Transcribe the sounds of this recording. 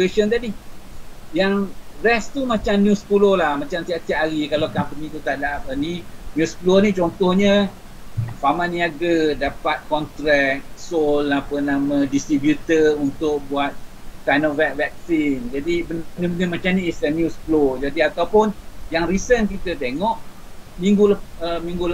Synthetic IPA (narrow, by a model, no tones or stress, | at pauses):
keʃənt̪adi | jaŋrɛst̪umãt͡ʃamnjũspulolahmãt͡ʃamt̪iat̪iaʔɦaɾikalawkampənĩt̪ut̪adaʔapəninjusplonit͡ʃɔnt̪ɔhɲə | famãniaɡədapat̪̚kɔnt̪ɾɛk̚solapənamə̃dist̪ɾibjut̪ərunt̪ʊk̚buat̪̚tanəvɛk̚vɛk̚sind͡ʒadibənənəbənəmat͡ʃamniːsənjusplod͡ʒadiat̪awpʊnjaŋrisənkit̪ət̪eŋɔʔ | mĩŋɡulaəmĩŋɡul